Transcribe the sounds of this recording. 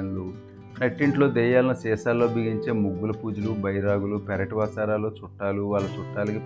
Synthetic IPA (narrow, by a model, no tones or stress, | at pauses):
nlo | nɐʈːiɳʈlo̞ːd̪ɛːjaːlɐnɐsɛːsaːlːo̞ːbiɡiɲt͡ʃe̞ːmuɡːulɐpuːd͡ʒulubɐjɾaːɡulupɛɾɐʈiʋaːsaːɾaːloːt͡ʃuʈːaːluʋaːɭːɐt͡ʃuʈːaːlɐki